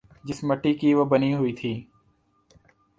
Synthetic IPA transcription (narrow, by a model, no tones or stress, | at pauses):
d͡ʒɪsməʈiːkiːʋəbəniːɦʊiːt̪ʰiː